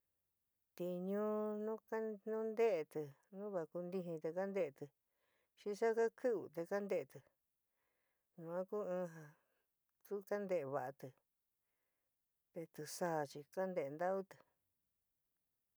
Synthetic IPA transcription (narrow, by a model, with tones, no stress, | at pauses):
t̪i˧ɲũ˦nũ˦ka˦nũ˦nd̪e˦ʔe˧t̪ɨ˧ | nũ˦βa˧˨˧ku˧nd̪i˧ɦĩ˧t̪e˧ka˦nd̪e˦ʔe˧t̪ɨ˧ | ʃi˧sa˦ka˦kʰɨ˦ṵ˧˨t̪e˧ka˦nd̪e˦ʔe˧t̪ɨ˨ | ɲũ˧ã˦ku˦ɨ̃ː˦˧ɦã˧ | t̪u˦ka˦nd̪e˧˨e˧βa˨ʔa˧t̪ɨ˨ | t̪e˧t̪ɨ˧sa˦˧˨t͡ʃi˧ka˦nd̪e˧e˧nd̪a˦u˦t̪ɨ̥˨